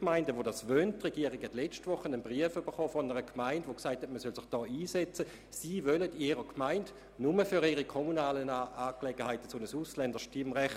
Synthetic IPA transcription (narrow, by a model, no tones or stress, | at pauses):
kmaɪndəʋodasʋønttːʁeɡ̥iəʁɪkhɛtlɛt͡ʃtʋʊχənənbʁiəfyb̥əχɔːfɔnəʁəkʰmaɪndʋoksaɪthɛtməsœlsɪχd̥ɔːiːsɛt͡sə | siːvølədiɾəkʰmaɪnd | numəfyɾiʁikʰɔmunaːlənaːklɛɡ̥əhaɪtə̥t͡sonəsuslɛndəʃtimʁɛχ